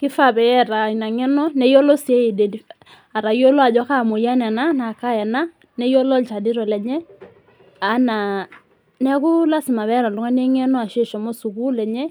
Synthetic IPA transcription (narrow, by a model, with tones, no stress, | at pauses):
kɪ˦fa˦˨bɛ˨jɛ˦˨ɾa˨i˨na˨ŋɛ˦nɔ˦nɛ˦jɔ˦lɔ˦si˦e˦e˨de˨di˨ | a˨ɾa˨jo˦lɔ˦a˨d͡ʒɔ˦ka˦˨mo˨ja˦n˨a˨na˦na˨ka˦jɛ˨na˦ | nɛ˦jɔ˦lɔ˦lt͡ʃa˨di˦ɾɔ˨lɛ˨ɲɛ˦ | a˨˦na˨ | nɛ˦kʊ˦la˦si˨ma˨βɛ˦ɾa˨du˦ŋa˦ne˦ŋɛ˦nɔ˦a˨ʃe˦˨ʃɔ˨mɔ˦su˨ku˦lɛ˨ɲɛ˦